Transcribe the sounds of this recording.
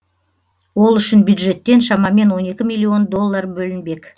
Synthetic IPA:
wo̞lˠʏʃɪnbjud̪ʒe̞t̪ːe̞nʃɑmɑme̞nwo̞ne̞kʲɪmijlˠːio̞nd̪o̞lˠːarbɵlɪnbe̞kʲ

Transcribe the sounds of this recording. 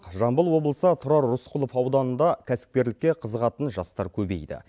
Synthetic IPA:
qʒɑmbəlˠwo̞blˠəsət̪ʰʊɾɑɾːʊsqʰʊlˠofɑwd̪ɑnənd̪ɑkʲʰæsɪ̥p̚kʲe̞ɾlɪkʲːe̞qʰəzəʁɑt̪ənʒɑst̪ɑɾkʲʰɵbe̞̰jd̪ɪ̰

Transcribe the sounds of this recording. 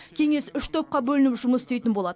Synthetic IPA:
kʲʰe̞ŋe̞sʏʃt̪ʰo̞p̚qɑbɵlɪnɪpʒʊməsɪst̪ejt̪ɪnbo̞lˠɑd̪ə

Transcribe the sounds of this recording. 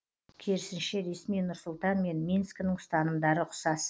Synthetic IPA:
kʲʰeɾɪsɪnʃe̞ɾe̞smijnʊɾsʊlˠt̪ɑnme̞nmʲinsknəɴst̪ɑnəmd̪ɑɾəqʰʊ̥sɑs

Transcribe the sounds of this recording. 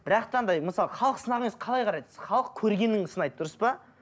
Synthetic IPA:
b̥ɪɾɑqt̪ɑnd̪ɑjməsɑlˠəχɑlˠəqsənɑʁemesqʰɑlˠɑjqʰɑɾɑjd̪ssχɑlˠəq̚kʲʰɵɾɡʲe̞nɪŋʊsənɑjt̪ət̪ʰːʊɾəspɑ

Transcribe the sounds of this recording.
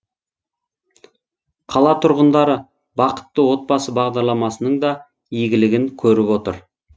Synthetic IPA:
qʰɑlˠɑt̪ʰʊɾʁənd̪ɑɾə | bɑqə̥t̪ːəwo̞t̪̚bɑsəbɑʁd̪ɑɾlˠɑmɑsənəɴd̪ɑ | eɡʲɪlɪɡʲɪŋkʲʰɵɾɪpwo̞t̪ə̰ɾ

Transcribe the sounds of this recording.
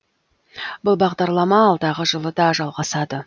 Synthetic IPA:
bʊlˠbɑʁd̪ɑɾlˠɑmɑːlˠd̪ɑʁəʒəlˠəd̪ɑʒɑlˠʁɑsɑd̪ə

